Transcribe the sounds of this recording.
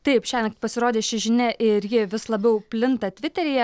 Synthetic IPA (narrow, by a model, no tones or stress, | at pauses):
t̪ɐɪpʃʲæːnʲɐkt̪pɐsʲɪɾoːd̪ʲeːʃʲɪʒʲɪnʲɛʔɪɾjɪʋʲɪslˠɐbʲɛʊpʲlʲɪnt̪ɐt̪ʲʋʲɪt̪ʲɛɾʲɪjɛ